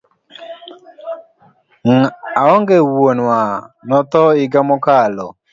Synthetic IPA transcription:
aɔŋɡewonwanɔt̪ɔɪɡamɔkalɔ̰

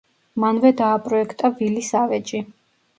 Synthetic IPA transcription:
manvɛd̪aːpʼɾɔɛkʰt̪ʼavilisavɛt͡ʃʼi

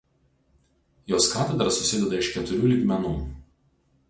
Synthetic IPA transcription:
joːskɑːt̪ʲɛd̪ɾɐsʊsʲɪd̪ʲɛd̪ɐɪʃkʲɛt̪ʊɾʲuːlʲiːɡmʲɛnuː

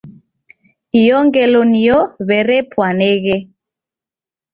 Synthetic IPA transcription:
ijɔŋɡɛlonijɔβɛɾɛpʰwanɛːɣɛ

